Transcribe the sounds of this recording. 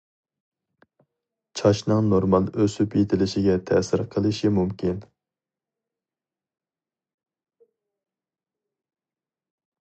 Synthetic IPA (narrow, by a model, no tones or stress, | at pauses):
t͡ʃʰɑʃnɨŋnoɾmɑlˠøsypjet̪ʰɪlɪʃɪɡʲɛt̪ʰɛsɪɾqʰəlˠɨʃimumkʲʰin